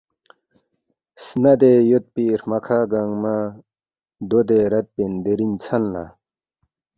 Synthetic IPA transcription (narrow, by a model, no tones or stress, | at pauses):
snad̪ejot̪̚piɾmakʰaɡaŋma | d̪od̪eɾɐt̪̚pend̪eɾint͡sʰanla̰